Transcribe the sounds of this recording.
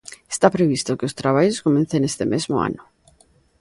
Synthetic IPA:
est̪apɾeβ̞ist̪okeost̪ɾaβ̞aʎoskomẽnθenest̪emezmo̰a̰nʊ

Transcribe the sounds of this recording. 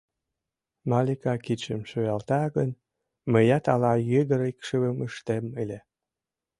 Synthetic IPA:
mɑlikɑkit͡ɕəmʃøjɑlt̪ɑɣən | məjɑt̪ɑlɑjed̪əɾikʃəβəməʃt̪emelʲe

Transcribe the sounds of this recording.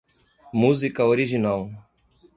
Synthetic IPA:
muzikɐoɾiʒinaw

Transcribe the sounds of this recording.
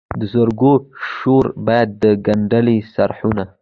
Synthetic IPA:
d̪əzoɾɡoʃoɾbɑjad̪ːəɡaɳɖalisaɾħuna

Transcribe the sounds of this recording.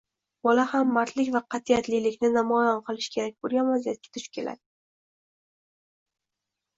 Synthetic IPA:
bɒlahamːaɾt̪ʰlɪkʲvaqʰɑt̪ʰiat̪lilɪkʲnɪnamɒjɒnqʰɨlˠɪʃkʲʰe̞ɾak̚ʲboɾɡʲanvazijat̪̚kʲḁt̪ʰʊʃkʲʰe̞lʔa̰d̪ɪ

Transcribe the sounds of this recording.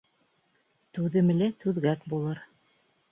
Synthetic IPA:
t̪ʉðɘ̆mɘ̆lɘt̪ʉðɡæt̪bulˠɤɾ

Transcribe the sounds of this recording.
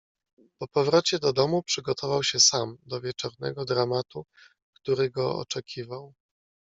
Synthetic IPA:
pɔpɔvɾɔt͡ɕɛd̪ɔd̪ɔmupʂɘɡɔt̪ʰɔvawɕɛsamd̪ɔvʲjɛt͡ʂɔɾnɛ̰ɡɔd̪ɾamat̪u | kt̪uɾɘɡɔɔ̰t͡ʂɛkʲʰivaw

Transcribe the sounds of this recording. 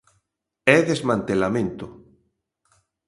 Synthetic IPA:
ɛðezmãnt̪elamẽnt̪o

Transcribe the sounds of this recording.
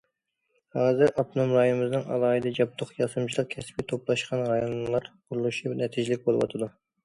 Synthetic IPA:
hɑːzɨɾɑp̪̚nɑmɾɑj̪ɨmɨznɨŋɑ̰lˠɑːɨd̪ɨd͡ʒɑp̚t̪ʰoχjɑsɨmt͡ʃʰilˠəq̚kʲʰɛspit̪ʰoplˠɑʃqʰɑnʁɑjɑnlˠɑɾqʰʊɾulˠuʃibnɛt̪ʰid͡ʒɪlɪk̚ʲbolˠɨ̰wɑ̰t̪ʰɨd̪u

